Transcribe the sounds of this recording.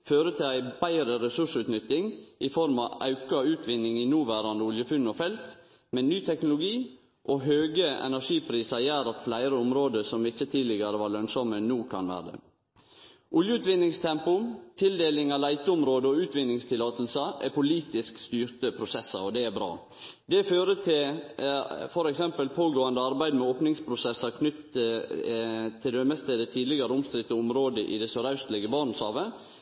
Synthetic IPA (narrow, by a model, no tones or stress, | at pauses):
føːɾət̪ʰɪlæɪbæɪɾəɾɛsʉʂʉːt̪nʏt̪ːɪŋʔɪfɔɾmɑʔɑʉkɑʉːt̪ʋɪnːɪŋinuːʋæːɾɑnd̪əʊljəfʉnːɔfɛlt̪ | mɛnyːt̪ʰɛknʊlʊɡiː | ʔoːɦøːɡəʔɛ̰næʂiːpʰɾiːsɑjæːɾɑt̪flæɪɾəʊmɾoːd̪əsɔmɪçət̪ʰiːlɪɡəɾəʋɑːɭœŋsɔmənuːkʰɑ̰nʋæ̰ːɾəd̪ə̰ | ʔʊljəʉːt̪ʋɪnɪŋst̪ʰɛmpʊt̪ʰɪld̪eːlɪŋɑlæɪt̪əʊmɾoːd̪əɔʉːt̪ʋɪnːɪŋst̪ʰɪlːɑːt̪əlsəʔæpʊliːt̪ɪskst̪yːɾt̪əpʰɾʊsɛsːə̰ɾɔd̪ɛæbɾɑ̰ː | d̪ɛføːɾət̪ʰɪl | fɔɾɛksɛmpəlpʰoːɡoːɑnd̪əɑɾbæɪd̪mɛoːpnɪŋspʰɾʊsɛsːɑɾkʰnʏt̪ | t̪ʰːɪld̪œmɛst̪eːd̪ət̪ʰiːd̪lɪɡɑɾəʊmst̪ɾɪt̪ːɔʊmɾoːd̪əʔɪ̰d̪ɛsɔɾɑʉst̪lɪɡəbɑːɾɳ̩shɑːʋə